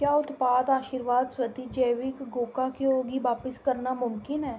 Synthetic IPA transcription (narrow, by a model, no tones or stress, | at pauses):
kjaːʊt̪paːd̪aːʃiːɾʋaːd̪swət̪iːd͡ʒəʋɪkɡoːkaːkeoːɡiːʋaːpəskəɾnaːmʊmkɪnɦɛː